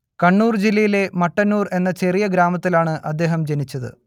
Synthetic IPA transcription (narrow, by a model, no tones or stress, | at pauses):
kɐɳːuːrd͡ʑilːɐjile̞mɐʈːɐnːuːre̞nːɐt͡ɕe̞rijɐɡɾaːmɐt̪ːilaːɳɨʔɐd̪ːe̞ːɦɐmd͡ʑenit͡ɕːɐðɨ̰